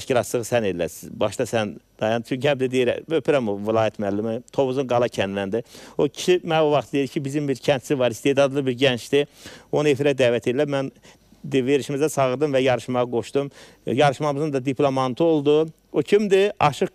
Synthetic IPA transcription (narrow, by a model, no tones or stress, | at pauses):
ʃciɾɑt̪sɯʁsæned̪læ̰sizbɑʃt̪ɑsænd̪̥ɑjɑnt͡ʃʰyɲcʰhæmbd̪id̪ejɾ̰øpiɾæmovilˠɑːjæt̪ʰmælːimæt̪ʰo̞βuzunɡɑlˠɑcʰænd̪lænd̪iocʰi̥ʃimænovɑχt̪ʰɯd̪ed̪icʰibizimbiɾcʰænt̪sivɑɾist̪e̞d̪ɑd̪lˠɯbiɾɟænt͡ʃd̪ione̞fiɾæd̪æːvæt̪ʰed̪ilæmæn | d̪ive̞ɾiʃimizæsʰɑʁɯɾd̪ɯmvæjɑɾɯʃmɑʁɑɡo̞ʃd̪̥um | jɑɾɯʃmɑmɯzɯnd̪ɑd̪iplˠomɑnt̪ʰuo̞lˠd̪u | ocʰimd̪iɑ̰ʃɯq